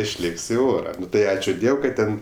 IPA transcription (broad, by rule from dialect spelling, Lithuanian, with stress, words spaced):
ɪʃʲˈlʲeːkʲsʲ ɪ ˈoːrɐ ˈnʊ ˈtɐɪ ˈɑːt͡ʃʲʊ ˈdʲiɛw kɐt ˈtʲɛn